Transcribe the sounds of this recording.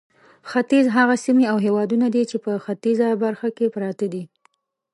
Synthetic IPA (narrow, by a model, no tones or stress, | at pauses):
xat̪izɦaɣasimiawɦewɑd̪unad̪it͡ʃepəxat̪izabaɾxakepɾɑt̪ad̪i